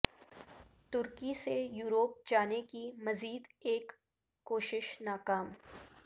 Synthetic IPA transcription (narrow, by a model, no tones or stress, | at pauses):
t̪ʊɾkisejuːɾoːp̚d͡ʒaːnekimɐziːd̪eːkː | oːʃɪʃnaːkaːm